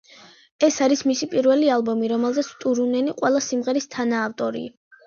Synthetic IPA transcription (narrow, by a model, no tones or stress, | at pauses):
ɛsaɾismisipʼiɾvɛlialˠbɔmiɾɔmɛlˠzɛt̪sʰt̪ʼuɾunɛniqʼwɛlˠasimʁɛɾist̪ʰanaːft̪ʼɔɾḭ